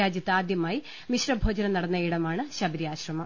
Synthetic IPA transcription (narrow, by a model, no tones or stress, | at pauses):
aːd͡ʑjɐt̪ːɨaːd̪jɐmaːji | miɕrɐbʱoːd͡ʑɐnɐnɐɽɐnːɐiɽɐmaːɳɨɕɐbɐɾijaːɕrɐmɐ